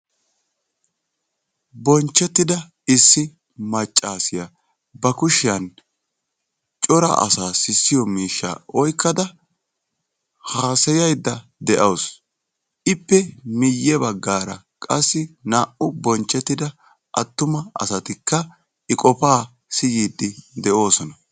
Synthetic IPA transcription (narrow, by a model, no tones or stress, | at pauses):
bɔnt͡ʃːɛt̪ːɪd̪ɐ | ɪsːɪ | mɐt͡ʃʼːaːsɪjɐ | bɐkʊʃɪjɐn | t͡ʃʼɔɾɐ̰ʔɐ̰saːsɪsːɪjɔmiːʃːa̰ːʔɔjkːɐd̪ɐ | haːsɛjɐjd̪ːɐd̪ɛʔɐws | ʔɪpːɛmɪjːɛbɐɡːaːɾɐ̰ | kʼɐsːɪnaːʔʊbɔnt͡ʃʼːɛt̪ːɪd̪ɐ | ʔɐt̪ːʊmɐɐ̰sɐt̪ɪkːɐ | ɪkʼɔpaː | sɪjiːd̪ːɪd̪ɛʔo̞ːsɔnɐ